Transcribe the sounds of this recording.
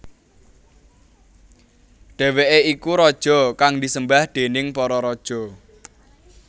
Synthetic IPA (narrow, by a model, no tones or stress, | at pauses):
ɖ̥e̤weʔeikuɾɔd̥ʒ̥ɔ̤kaŋd̪isəmbahd̪̥e̤nɪŋpɔɾɔɾɔd̥ʒ̥ɔ̤